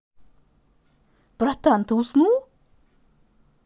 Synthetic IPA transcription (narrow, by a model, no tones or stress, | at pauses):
b̥ɾat̪aant̪uːsnuː